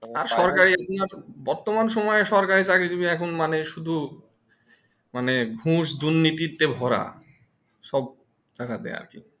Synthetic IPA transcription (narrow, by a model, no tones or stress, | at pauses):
aɾʃɔɾkaɾiapnaɾbɔɾt̪omanʃɔmɔeeʃɔɾkaɾit͡ɕaked͡ʑobiɛkʰonmaneʃud̪ʱu | manebʱũʃd̪uɾnit̪it̪ːebʱɔɾa̰ | ʃɔb̚ | t̪akad̪ɛ̰a̰ɾkḭ